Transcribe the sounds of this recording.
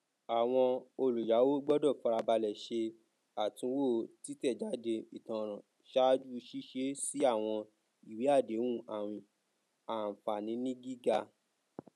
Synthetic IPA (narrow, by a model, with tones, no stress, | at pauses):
a˨w̃ɔ̃˧o˧lu˨ja˨˦wo˦ɡ͡bɔ˦dɔ˦˨fa˧ɾa˧ba˧lɛ˨ʃe˧ | a˨tũ˧˦wo˦˨ti˦tɛ˦˨d͡ʒa˨˦de˧i˨tã˧ɾ̃ã˨ | ʃa˦d͡ʒu˦˧ʃi˦ʃe˦si˦a˦˨w̃ɔ̃˧ | i˨wi˨˦a˦˨de˨˦wũ˦˨ã˨ | a˨fa˨nĩ˨˦nĩ˦ɡi˦ɡa˧